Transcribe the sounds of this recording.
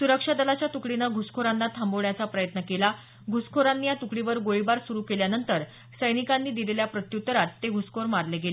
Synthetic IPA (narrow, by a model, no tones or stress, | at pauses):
suɾəkʂad̪əlat͡ɕjat̪ukɽinəɡʱuskʰoɾanːat̪ʰamboʋɭjat͡sapɾəjət̪nəkela | ɡʱuskʰoɾanːiːjat̪ukɽiʋəɾɡoɭibaɾsuɾuːkeljanənt̪əɾ | səjnikanːiːd̪ileljapɾət̪jut̪ːɾat̪ːeɡʱuskʰoɾmaɾleɡele